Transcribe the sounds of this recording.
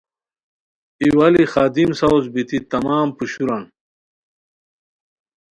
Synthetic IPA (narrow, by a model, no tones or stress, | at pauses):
iwɐlixaːd̪imsɐwzbit̪it̪ɐmaːmpuɕuɾɐn